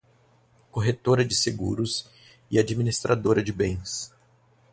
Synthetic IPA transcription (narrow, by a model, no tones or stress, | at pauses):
koɦet̪oɾɐd͡ʒɪseɡṵɾʊs | ɪad͡ʒiminist̪ɾʔad̪oɾɐd͡ʒɪbẽj̃s